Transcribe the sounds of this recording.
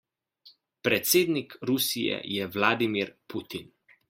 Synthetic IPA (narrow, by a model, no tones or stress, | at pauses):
pɾɛt̪seːd̪nikɾusijɛ̰jɛʋlaːd̪imiɾpʰut̪in